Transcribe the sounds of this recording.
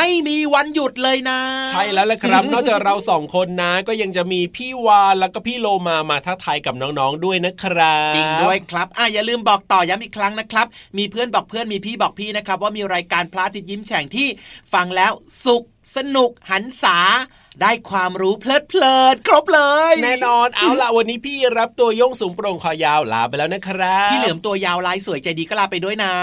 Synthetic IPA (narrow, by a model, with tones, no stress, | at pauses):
ma˥˩jmiː˧wa˧nju˨˩t̪̚lɤː˧jna˦˥t͡ɕʰa˥˩jlɛː˦˥wlɛ˨˩kʰɾa˦˥p̚nɔː˥˩kt͡ɕa˨˩ɾa˧wsɔː˩˦ŋkʰo˧nːa˦˥kɔː˥˩ja˧ŋt͡ɕa˨˩miː˧pʰiː˥˩waː˧lɛː˦˥wkɔː˥˩pʰiː˥˩loː˧maː˧maː˧t̪ʰaː˥˩t̪ʰa˧jka˨˩p̚nɔː˦˥ŋnɔː˦˥ŋdu˥˩əjna˦˥kʰɾa˦˥t͡ɕi˧ŋdu˥˩əjkʰɾa˦˥p̚ʔaː˧˩jaː˨˩lɯː˧mbɔː˨˩k̚t̪ɔː˨˩ja˦˥mʔiː˨˩kʰɾa˦˥ŋna˦˥kʰɾa˦˥p̚miː˧pʰɯ˥˩ənbɔː˨˩k̚pʰɯ˥˩ənmiː˧pʰiː˥˩bɔː˨˩k̚pʰiː˥˩na˦˥kʰɾa˦p̚waː˥˩miː˧ɾaː˧jkaː˧npʰlaː˦˥˩t̪ʰi˦t̪̚ji˦˥˩mt͡ɕʰɛ˩˦ŋt̪ʰiː˥˩fa˧ŋlɛː˦˥wsu˨˩k̚sa˧nu˨˩k̚ha˩˦nsaː˩˦ | daː˥˩jkʰwaː˧mɾuː˦˥pʰlɤː˥˩t̪̚pʰlɤː˧˩nkʰɾo˦˥p̚lɤː˧jnɛː˥˩nɔː˧nʔa˧˩˧wla˨˩ʔwa˧nːiː˦˥pʰiː˥˩ɾa˦˥p̚t̪u˧ɐjo˥˩ŋsuː˩˦ŋpɾo˧ŋkʰɔː˧˩jaː˧wla̰ː˨˦pa˧jlɛː˦˥wna˦˥kʰɾa˦˥iː˥˩lɯ˨˩˦mt̪u˧ɐjaː˧wlaː˦˥jsu˩˦jt͡ɕa˧˩jdiː˧kɔː˥˩laː˧˩pa˧jdu˥˩əjna˦˥